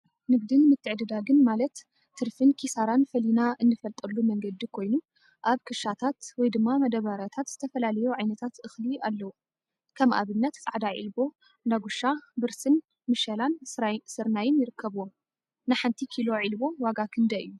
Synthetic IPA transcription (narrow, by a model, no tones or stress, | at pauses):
nɨɡ̚d̪ɨnmɨt̪ʰːɨʕd̪ɨd̪aɡɨnmalɐt̪ | t̪ʰːɨɾfɨnkʰisaɾanfɐlinaʔɨnːɨfɐlt̪ʼɐlːumɐŋɡɐd̪ikʰo̞jnu | ʔaβkʰɨʃat̪ʰat̪wɔjd̪ɨmːamɐd̪ɐβaɾat̪ʰat̪z̥ɨt̪ʰɐfɐlalɐjuʕajnɐt̪ʰat̪ɨxlialːɐwu | kʰɐmʔa̰βɨnːɐt̪t͡sʼaʕd̪aʕḭlbo̞ | naɡuʃabɨɾsɨn | mɨʃɐlansɨɾnajɪnjɪɾɨkʰːɐβɨwom | nɨħant̪ʰikʰilo̞ʕilbo̞waɡakʰɨnd̪ɐʔɨ̰jːu